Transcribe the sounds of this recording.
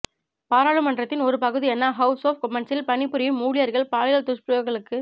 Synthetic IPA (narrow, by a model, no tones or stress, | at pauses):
paːɾaːɭɯmɐnɖrɐt̪ːɪnɔɾɯpɐɣɯðiɛnːaɦɐʊsoːf̚kɔmɛɳsɪlpɐnɪpːɯɾɐjɯmːuːɽɪjɐɾɣɐɭpaːlɐjɐlt̪ʊspjɐɣɐɭɯkːɯ